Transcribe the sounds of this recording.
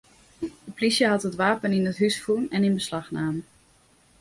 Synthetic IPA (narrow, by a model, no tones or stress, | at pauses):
əplisjəɦɑtɦətʋaːpəninətɦysfunɛninbəslɑxnaːm